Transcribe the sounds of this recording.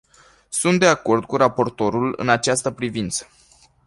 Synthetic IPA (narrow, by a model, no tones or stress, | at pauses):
sunt̪d̪e̞ako̞rd̪̚kuɾapo̞rt̪o̞ɾulɨ̰nat͡ʃast̪əpɾivint̪sə̥